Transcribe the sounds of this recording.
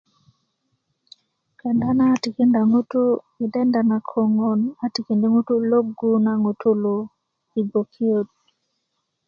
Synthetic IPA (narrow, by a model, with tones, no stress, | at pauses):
ka˨nda˦na˦ti˨ki˦nda˨ŋu˦tu˦ | i˨dɛ˦nda˨na˨kʰo˨ŋo˨na˨ti˨ki˨ndi˦ŋu˦tu˦lo˦ɡu˦na˨ŋo˨tʰu˦lo˨ | i˨bo˨kʰi˦o˦t̚